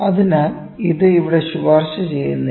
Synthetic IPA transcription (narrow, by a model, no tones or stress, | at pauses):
ɐðinam | iðɨiʋiɽeɕuʋaːrɕɐt͡ɕe̞jːunːɐ